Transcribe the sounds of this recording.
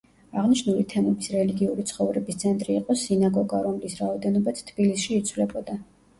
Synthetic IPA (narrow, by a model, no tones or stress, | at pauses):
aʁniʃnulit̪ʰɛmɛbisɾɛliɡiuɾit̪sʰχɔvɾɛbist̪sʰɛnt̪ʼɾiːqʼɔsinaɡɔɡaɾɔmlisɾaɔd̪ɛnɔbat̪ʰt̪ʰbilisʃiːt̪sʰvlɛbɔd̪a